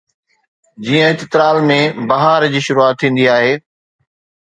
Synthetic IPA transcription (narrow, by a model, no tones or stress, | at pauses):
d͡ʑiːə̃ɪt̪ɪt̪ɾaːlmẽbɐɦaɾd͡ʑiːʃʊɾuaːt̪ʰːĩːn̆d̪iaːɦeː